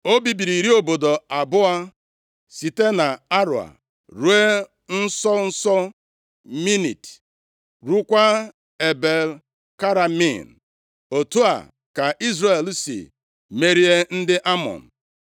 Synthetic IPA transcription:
o˦bi˨bi˨ɾi˨ɾi˦o˨bo˨do˨a˨bʊ˦a˦ | si˨te˦na˨a˦ɾʊ̰˨a̰˨ | ɾu˦e˦ | n̩˦sɔ˦n̩˦sɔ˦ | mi˦nḭ˨t | ɾu˦kʷa˦ | e˨be˨l | ka˦ɾa˨mḭ˦˨n̩˨ | o˨tu˦a̰˨ | ka˨ʔi˦zre˨e˨lsḭ˨ | me˦ɾi˦e˦n̩˦dɪ˦ʔa˦mɔ̰˨n̩˨

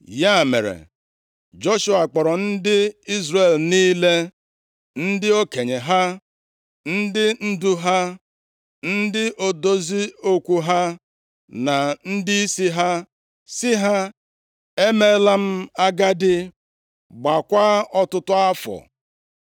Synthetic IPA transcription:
ja˦˨mḛ˨ɾḛ˨ | d͡ʒo˦ʃu˦a˨k͡pɔ˨ɾɔ˨n̩˦dɪ˦i˦zre˨lniː˦le˦ | n̩˦dɪ˦o˦ke˨ɲe˨ɦa˦ | n̩˦dɪ˦n̩˦du˦ɦa˦ | n̩˦dɪ˦ʔo˨do˦zi˦o˦kʷu˦ɦa˦ | na˨n̩˦dɪ˦i˦si˦ɦa˦ | sɪ˦ɦa˦ | e˦me˦la˦m̩˦a˦ɡa˦dɪ˦ | ɡ͡ba˨kʷa˦ɔ˦tʊ˦tʊ˦a˦fɔ̰˨

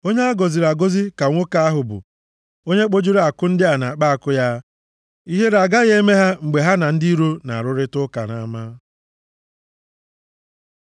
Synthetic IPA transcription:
o˦ɲe˦a˦ɡo˨zi˨ɾa˨ɡo˦zi˦ka˨ŋʷʊ˦ka˨a˦ɦʊ˨bʊ̰˨ | o˦ɲe˦k͡po˦d͡ʒi˦ɾa˨kʊ˦n̩˦dɪ˦a˨na˨k͡pa˦a˨kʊ˦ja˦ | i˦ɦe˦ɾa˨ɡa˦ɣe˦me˦ɦa˦ŋ͡m̩˨ɡ͡be˨ɦa˦na˨n̩˦di˦ɾo˦na̰˨a˨ɾʊ˦ɾɪ˦tʊ˦ka˨na̰˨ma˦

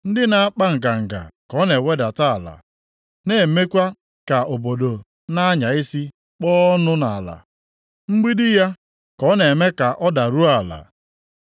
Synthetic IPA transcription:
n̩˦dɪ˦na˨a˦k͡pa˦ŋ̩˨ka˨ŋ̩˨ɡa̰˨kɔ˨˦ne˨we˦da˨ta˦a˨la̰˨ | ne˨me˦kʷa˦ | ka˨o˨bo˨do˨ | na˦a˦ɲa˨ɪ˦si˦ | k͡pɔː˦ɔ˦nʊ˦na˨la̰˨ | ŋ͡m̩˦ɡ͡bi˦dɪ˦ja˦ | kɔ˦ne˨me˦ka˨ʔɔ˦da˨ɾu˦a˨la̰˨

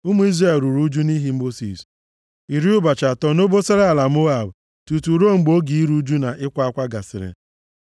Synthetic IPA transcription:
u˦mu˦i˦zɾe˨lɾu˨ɾu˦d͡ʒu˦ni˦ɦi˦o˦sḭ˨s | i˨ɾi˦ʊ˦ba˨t͡ʃa˨tɔ˦no˦bo˦se˦ɾe˦a˨la˨mo˦a˨b | tu˨tu˨ɾo˦˨ŋ͡m̩˨ɡ͡bo˦ɡi˨i˦ɾu˦d͡ʒu˦na˨ʔɪ˦kʷa˦a˦kʷa˦ɡa˨sɪ̰˨ɾɪ̰˨

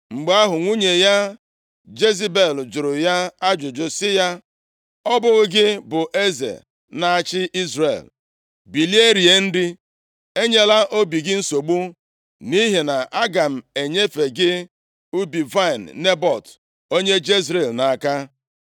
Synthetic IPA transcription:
ŋ͡m̩˨ɡ͡ba˦ɦʊ˨ŋʷu˦ɲe˨ja˦ | d͡ʒe˦zi˦be˨ld͡ʒʊ˨ɾʊ˨ja˦a˦d͡ʒʊ˨d͡ʒʊ˨sɪ˦ja˦ | ɔ˦bʊ˦ɣɡɪ˦bʊ˨ʔe˦zḛ˨ | na˨a˨t͡ʃɪ˦ʔi˦zrḛ˨l | bi˨li˦e˦ɾi˨e˦n̩˦dɪ˦ | e˦ɲe˦la˦ʔo˦bi˨ɡɪ˦n̩˦so˨ɡ͡bu˦ | ni˦ɦe˨na˨a˦ɡa˨m̩˨e˨ɲe˦fe˨ɡɪ˦ | u˦bi˨va˦i˨nːe˦bɔ˨t | o˦ɲe˦d͡ʒe˦zɾe˨lna˨a˨ka˦

